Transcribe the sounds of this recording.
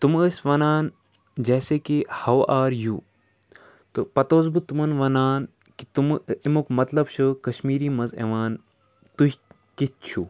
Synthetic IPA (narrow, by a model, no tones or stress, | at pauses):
t̪uməsʋɐnaːn | d͡ʒeːseːkihɐwaːɾju | t̪opɐt̪oːzbɨt̪umɐnʋɐnaːn | kit̪umimukmɐt̪lɐbʃʰɨkɐʃmiːɾiːmɐzḛʋaːn | t̪uɦ | kit̪̚t͡ʃʰu